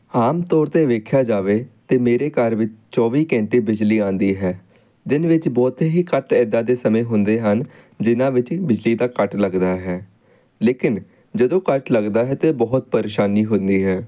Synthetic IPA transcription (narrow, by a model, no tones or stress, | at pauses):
aːmt̪ɔːɾt̪eːʋeːkʰjaːd͡ʒaːʋeːt̪eːmeːɾeːkəɾʋɪt͡ʃt͡ʃɔːʋiːkɛ̃ːɳʈeːbɪd͡ʒliːãːnd̪iːɦɛː | d̪ɪnʋɪt͡ʃbɔːt̪eːɦiːkəʈɛːd̪aːd̪eːsəmẽːɦʊnd̪eːɦən | d͡ʒɪnãːʋɪt͡ʃbɪd͡ʒliːd̪aːkəʈləɡd̪aːɦɛː | leːkɪn | d͡ʒəd̪õːkəʈləɡd̪aːɦɛːt̪eːbɔːt̪̚pəɾeːʃaːniːɦʊ̃nd̪iːɦɛː